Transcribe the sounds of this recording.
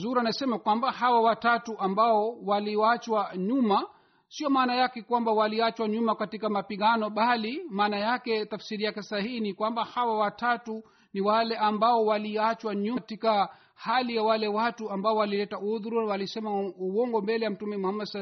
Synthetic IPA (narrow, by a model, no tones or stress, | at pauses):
zuɾanasɛmakwambahawawatatuʔambaɔwaliat͡ʃwaɲuma | siɔmaːnajakɛkwambawaliat͡ʃwaɲumakatikamapiɠanɔɓalimaːnajakɛtafsiɾijakɛsahihinikwambahawawatatu | niwalɛambaɔwaliat͡ʃwaɲutika | halijawalɛwatuambaɔwalilɛtauðuɾunawalisɛmauwɔŋɡɔmbɛlɛjam̩tumɛmuhamːadsa